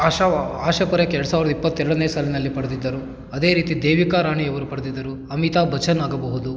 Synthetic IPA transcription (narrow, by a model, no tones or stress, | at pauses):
aːʃɐaːʃɐkuɾɐkɛɾɐɽusaːʋiɾd̪ɐipːɐt̪ːɛɾɐɽɐneːsaːlinɐlːipɐɽɐd̪id̪ːɐɾu | ɐd̪e̞ːɾiːt̪id̪eːʋikaːɾaːɳiɐʋɐɾupɐɽɐd̪id̪ːɐɾu | ɐmit̪aːbʱɐt͡ʃɐnaːɡɐbɐɦud̪u